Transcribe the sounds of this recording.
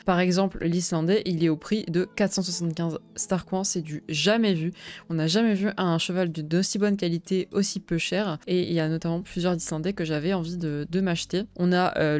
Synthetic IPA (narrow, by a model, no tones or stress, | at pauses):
paʁɛɡzɑ̃pllislɑ̃d̪ɛʔilɛopχid̪əkat̪χsɑ̃swasɑ̃kʲɛ̃zst̪aʁkwɛ̃sɛd̪yʒamɛvyɔ̃naʒamɛvyʔɛ̃ʃəvald̪yd̪osibɔnkʲalit̪eosipøʃɛʁeḭljanɔt̪amɑ̃plyzjœʁzislɑ̃d̪ɛkəʒavɛɑ̃vid̪əd̪əmaʃt̪eɔ̃naʔø